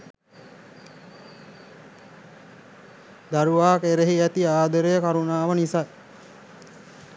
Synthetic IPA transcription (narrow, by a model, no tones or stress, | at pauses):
d̪aɾuʋaːkeɾeɦiæt̪iaːd̪əɾəjəkaɾunaːʋənisa